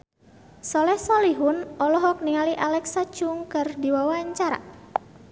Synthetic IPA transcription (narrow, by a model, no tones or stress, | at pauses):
sɔlɛhsɔliɦʊnɔlɔɦɔk̚niŋaliʔalɛksat͡ʃʊŋkɨrdiwawaɲt͡ʃaɾa̰